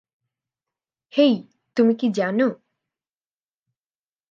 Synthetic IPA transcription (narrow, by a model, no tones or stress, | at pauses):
hej | t̪umikid͡ʒano